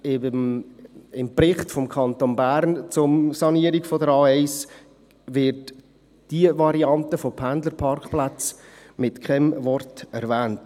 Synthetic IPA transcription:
ɪm | ɪmprɪχtfɔmkʰɑntonbæːɾnt͡sʊmsɑniəɾiɡfɔdəɾɑːɛɪs | vɪɾd | d̥iəvɑɾiɑntəfopʰændləɾpʰɑrkχplat͡s | mɪtkʰɛmvɔrtɛɾvɛːnt

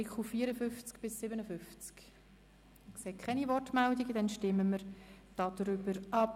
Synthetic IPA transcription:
ikχuːiːɾəfʏft͡skb̥ɪsːɪbənəfʏft͡sk | kseːkʰχɛnivɔrtmɛldiɡəd̪ɛnʃtɪməməɾd̥ɑd̥ɾʏbəɾʔɑp

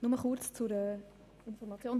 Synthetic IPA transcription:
nʊməχʊrt͡st͡suɾə | ɪnfɔrɾmɑt͡sjoːn

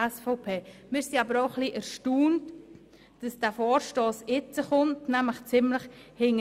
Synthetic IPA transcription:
ɛsfɔʊpʰeːmɪːɾsiɑbəɾoʊχliʔɛɾʃtuːnt | d̥əsd̥æːfɔːɾʃtoːsɪt͡səχʊntnæmləχt͡sɪmləχhɪŋə

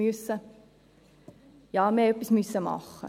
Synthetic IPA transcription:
ʉəsə | jɑːmɛːøpismʉsəmɑ̰χ

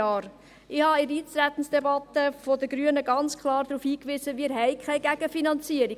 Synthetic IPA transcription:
ɑːɾ | ɪhɑɪɾiːt͡stɾæt̪ən̩sd̥ɛbɑt̪əfɔdəɡɾyənəɡɑnt͡skχlɑːɾd̥̪ɾuːfhiːkʋizəʋiːɾɦɛjkʰɛɪɡæɡ̥əfinɑnt͡siəɾi

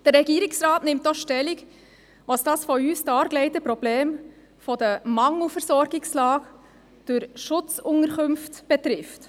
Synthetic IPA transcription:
d̥əɾɾɛɡiːɾɪksɾɑːtnɪmt̚ːɔχʃtɛlɪk | ʋɑsd̥ɑːsfɔyːstɑːɾɡlɛɪtəpɾɔb̥leːm | fɔdəmɑŋl̩fəɾsɔɾɡɪkslɑːɡ | d̥ʊɾʃʊt͡sʊŋəɾkɵmftb̥ɛtɾɪft

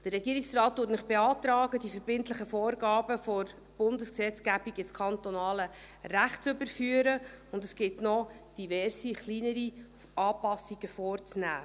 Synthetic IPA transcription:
d̥ərːɛɡiːəɾiksrɑːt̚d̥uːtnɪχb̥eɑːtɾɑːɡədifəɾbɪntləχəfɔːrɡɑːbəfɔɾ | b̥ʊndəsksɛt͡sɡ̥æbiɡɪskʰɑntɔnɑːlə | ræχtt͡søbəɾfyːəɾəʊndəsɡ̥ɪtnɔd̥ivɛrsiχliːnəɾi | ɑːpɑsiɡ̥əfɔːɾt͡snæ̰ː

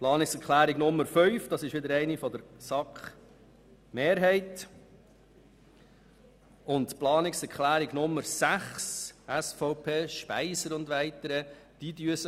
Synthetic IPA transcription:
plɑːnɪksɛɾkʰχlæːɾɪɡnʊmːəɾfœʏfd̥ɑsɪʃʋɪdəɾɛɪnifɔdəɾsɑkχ | meːɾɦɛɪt | ʊntplɑːnɪksɛɾkχlæːɾɪɡnʊmːəɾsæχsæsfɔʊpʰeːʃpæ̰ɪsəɾʊndʋæɪt̪əɾəd̥idyəsə

